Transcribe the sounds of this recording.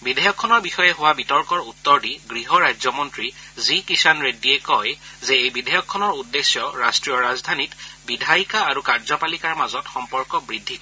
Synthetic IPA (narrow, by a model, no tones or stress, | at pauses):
bidʱajɔkʰːɔnɔɹbixɔjɛɦʊwabitɔɹkɔɹutːɔɹdiɡɹiɦɔɹazɔmɔntɹizikisanɹediɛkɔjzɛejbidʱajɔkʰːɔnɔɹudːesjɔɹastɹijɔɹazdʱanitbidʱajikaːɹukaɹzɔpalikaɹmazɔtxɔmpɔɹkɔbɹidʱːikɔ